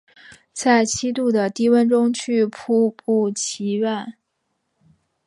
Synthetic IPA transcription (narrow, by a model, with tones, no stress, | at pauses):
t͡sa˥˩ɪt͡ɕʰi˥t̪u˥˩d̪ə˩t̪i˥˧wə˥nʈ͡ʂʊ˥ŋt͡ɕʰy˥˧pʰu˥pu˥˩t͡ɕʰi˧˥ɥa˥˩n